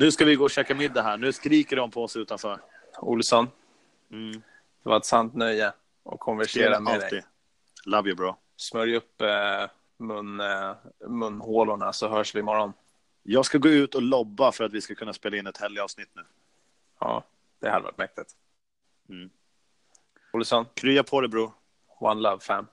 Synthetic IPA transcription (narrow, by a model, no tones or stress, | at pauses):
nʉ̟ːskavɪɡoːɔɕɛːkamɪd̪ːaɦæːɳʉ̟ːskɾiːkəɖɔmpʰɔɔsʉ̟ːt̪anfœːɾ | ʊ̰lsɔn̩ | d̪̥ɛva̰ɾɛt̪sant̪nœjːə | ɔ̰kʰːɔnvæʂeːɾamad̪ɛɛɪ | lavjəbɾɑː | smœɾjɵpː | mɵn | mɵnːhoːlʊɳasɔɦœːʂvɪmɔɾɔn | jɑːɡskaɡoːʉ̟ːt̪ɔlɔbːafœɾat̪vɪskakʰɵnːaspeːlaɪnːɛt̪hɛljəɑːvsnɪt̪ːnʉ̟ː | ɑ̰ː | d̪̥ɛ̰had̪əɛva̰ʈmɛk̚t̪ɪt̪ | m̩ː | ʊlsɔnkʰɾyːapʰɔd̪ɛbɾuːɾ | wa̰nlavfɛmː